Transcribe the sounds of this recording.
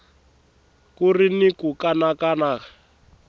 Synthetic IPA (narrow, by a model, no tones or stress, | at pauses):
kurinikukanakanaːkḁ